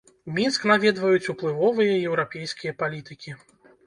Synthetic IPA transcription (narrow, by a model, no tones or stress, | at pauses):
mʲinsknavʲɛd̪vɐjut͡sʲuplˠɨvɔvɨjɐjɛwɾapʲejskʲijɐpalʲit̪ɨkʲi